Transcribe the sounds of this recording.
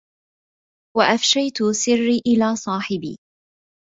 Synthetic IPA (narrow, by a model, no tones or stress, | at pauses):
waʔafʃajt̪ʊsɪrːiːʔɪlaːsˤɑːħɪbḭː